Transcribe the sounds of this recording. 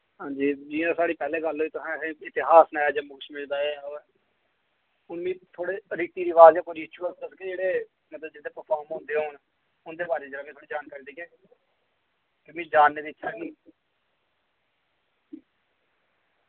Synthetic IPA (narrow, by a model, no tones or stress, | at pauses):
ɦãːd͡ʒiːd͡ʒiːãːsaːɽiːpɛːlẽːɡəlɦoːiːt̪ʊsɛ̃ːsẽɪt̪ɪɦaːsnɛːd͡ʒəmʊkʊʃmɪld̪aːeoːɛː | ʊnmĩːt̪ʰoːɽeːɾɪk̚t̪iːɾiʋaːzjãːkoːɪt͡ʃuːələsked͡ʒeːɽeː | mət̪ləbd͡ʒɪt̪ʰːeːpəɾpʰaːɾmɦõːnd̪eːɦoːn | ʊnd̪eːbaːɾeːd͡ʒeːaːmĩːt̪ʰoːɽiːd͡ʒaːnkaːɾiːd̪eːkẽː | kɪmĩːd͡ʒaːnːeːd̪iːɪt͡ʃʃʰaːɡĩː